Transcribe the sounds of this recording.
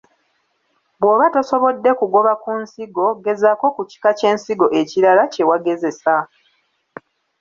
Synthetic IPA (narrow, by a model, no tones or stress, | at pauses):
bwoːβatoso̞βo̞dːe̞kuɡo̞βakunsiɡo̞ɡe̞zako̞kuci̥kace̞ːnsiɡo̞ʔeciɾalace̞waɡe̞ze̞sa